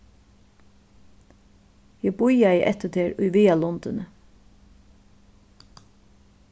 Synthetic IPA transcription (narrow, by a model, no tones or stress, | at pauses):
jɛbʊjajɪʔɛt̪ət̪ʰeːɹʊjʋiːalɔnt̪ɪnə